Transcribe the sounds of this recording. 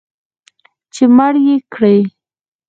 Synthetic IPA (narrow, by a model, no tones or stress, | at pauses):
t͡ʃemaɽjekɽej